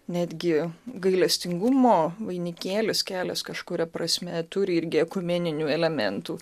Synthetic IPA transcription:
nʲæːd̪ʲɡʲɪɡɐɪlʲɛsʲt̪ʲɪŋɡʊmoːʋɐɪnʲɪkʲeːlʲɪskʲæːlʲɛskɐʃkʊɾʲɛpɾɐsʲmʲɛt̪ʊɾʲɪɪɾʲɡʲɪɛkʊmʲeːnʲɪnʲuːɛlʲɛmʲɛ̰nt̪uː

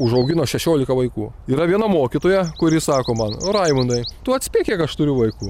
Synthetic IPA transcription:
ʊʒɐʊɡʲɪnoːʃʲɛʃʲoːlʲɪkɐʋɐɪkuː | iːɾɐʋʲiɛnɐmoːkʲɪt̪oːjɛkʊɾʲɪsɑːkoːmɐnɾɐɪmʊnd̪ɐɪt̪ʊɐt̪ʲsʲpʲiːkʲiɛkɐʃt̪ʊɾʲʊʋɐɪkuː

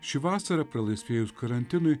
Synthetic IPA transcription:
ʃʲɪʋɑːsɐɾɐpɾɐlˠɐɪsʲʋʲeɛjʊskɐɾɐnʲt̪ʲɪnʊɪ

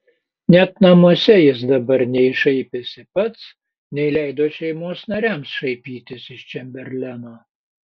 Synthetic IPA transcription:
nʲɛt̪nɐmuɔsʲɛjɪs̬d̪ɐbɐɾnʲɛɪʃɐɪpʲesʲɪpɐt̪s | nʲɛɪlʲæɪd̪oːʃʲɛɪmoɔsnɐɾʲæˑmsʃɐɪpʲiːt̪ʲɪsɪʃt͡ʃʲɛmʲbʲɛɾʲlʲænoː

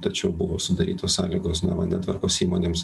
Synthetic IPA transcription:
t̪ɐt͡ʃʲɛʊbʊʋoːsʊd̪ɐɾʲḭːt̪oːssɑ̰ːlʲiːɡoːsnɐ̰ʋɐ̰nd̪ʲɛt̪ʋɐɾkoːsiːmoːnʲeːms

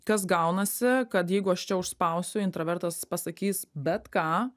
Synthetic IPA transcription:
kɐs̬ɡɐʊnɐsʲɪkɐt̪jɛɪɡʊɐʃt͡ʃʲɛʊʃspɐʊsʲʊɪnt̪ɾɐʋʲɛɾt̪ɐspɐsɐkʲiːsbʲɛt̪kɑː

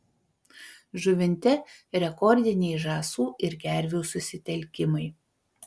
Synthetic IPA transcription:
ʒʊʋʲɪnʲt̪ʲɛɾʲɛkɔɾʲd̪ʲɪnʲɛɪʒɑːsuːʔɪɾɡʲæɾʲʋʲuːsʊsʲɪt̪ʲɛlʲˑkʲɪmɐɪ

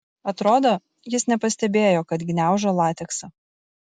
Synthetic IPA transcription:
ɐt̪ɾoːd̪oː | jɪsnʲɛpɐsʲt̪ʲɛbʲeːjoːkɐt̪ɡʲɪnʲæˑʊʒɐlˠɑːt̪ʲɛksɐ

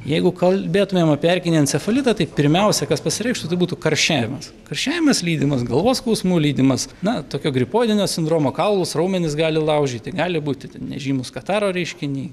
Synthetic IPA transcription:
jɛɪɡʊkɐlʲbʲeːt̪ʊmʲeːmɐpʲiɛrʲkʲɪnʲiɐnʲsʲɛfɐlʲɪt̪ɐt̪ɐɪpʲɪɾʲmʲɛʊsʲɛkɐspɐsʲɪɾʲɛɪʃt̪ʊt̪ɐɪbuːt̪ʊkɐrʲʃʲæːʋʲɪmɐs | kɐrʲʃʲæːʋʲɪmɐslʲiːd̪ʲɪmɐsɡɐlˠʋoːsklˠɐʊsʲmuːlʲiːd̪ʲɪmɐsnɐt̪oːkʲoːɡɾʲɪpoːd̪ʲɪnʲoːsʲɪnd̪ɾoːmoːkɑlˠlˠʊsrɐʊmʲɛnʲɪsɡɑːlʲɪlˠɐʊʒʲd͡ʒʲiːt̪ʲɪɡɑːlʲɪbuːt̪ʲɪtʲnʲɛ̰ʒʲiːmʊskɐt̪ɑːɾoːɾʲɛɪʃʲkʲɪnʲiː

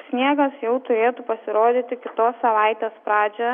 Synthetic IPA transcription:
sʲnʲiɛɡɐsjɛʊt̪ʊɾʲeːt̪upɐsʲɪɾoːd̪ʲiːt̪ʲɪkʲɪt̪oːsːɐʋɐˑɪt̪ʲeːspɾɑːd͡ʒʲɛ

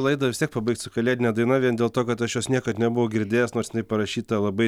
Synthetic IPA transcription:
lˠɐɪd̪ɐʋʲɪst̪ʲiɛk̚pɐbɐɪkt̪ʲsʊkɐlʲeːd̪ʲɪnʲɛd̪ɐɪnɐʋʲiɛnd̪ʲeːlˠt̪oːkɐt̪ɐʃjoːsnʲiɛkɐt̪nʲɛbʊʋoʊɡʲɪɾʲd̪ʲeːjoːsnoːɾsʲɪnɐɪpɐɾɐʃʲiːt̪ɐlˠɐbɐɪ

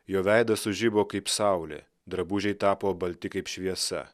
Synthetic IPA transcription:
joːʋʲæɪd̪ɐsʊʒʲɪboːkɐɪpsɑˑʊlʲɛ̰ | d̪ɾɐbuːʒʲɛɪt̪ɑːpoːbɐlʲt̪ʲɪkɐɪpʃʲʋʲiɛsɐ̰

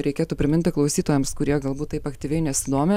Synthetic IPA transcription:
ɾʲɛɪkʲeːt̪uːpʲɾʲɪmʲɪnʲt̪ʲɪklˠɐʊsʲiːt̪oːjɛmskʊɾʲiɛɡɐlˠbuːt̪t̪ːɐɪpɐkt̪ʲiːʋʲɛɪnʲɛsʲɪd̪oːmʲɪ

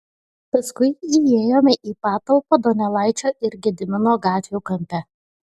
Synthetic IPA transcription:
pɐskʊɪieːjoːmʲɛʔiːpɑːt̪ɐlˠpoːd̪ɔnʲɛlˠɑˑɪt͡ʃʲoːʔɪɾɡʲɪd̪ʲɪmʲɪnoːɡɑːt̪ʲʋʲuːkɐmʲpʲɛ

